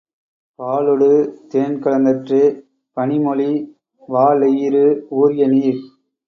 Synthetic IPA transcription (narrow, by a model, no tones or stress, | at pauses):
paːlɔɽɯt̪eːnkɐɭɐnd̪ɐʈrɯ | pɐɳɪmɔɭi | ʋaːlɐjiɾɯuːɾɪjɐniːɾ